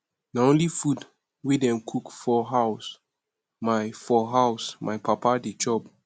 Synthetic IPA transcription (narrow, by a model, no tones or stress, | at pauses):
naõnlifud | wedɛ̃mkʰukfɔɦaws | majfɔɦawsmʔajpapadet͡ʃɔb